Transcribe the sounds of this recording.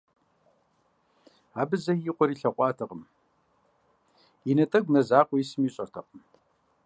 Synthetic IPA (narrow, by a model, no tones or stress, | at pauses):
aːbɨzɐjiqʷʼɔɾiːɬɐqʷʼɑːtʰɨqʼəm | inɐtʼɐɡʷmɐzaːqʷɔjisɨmiːɕʼɐrtʰɐqəm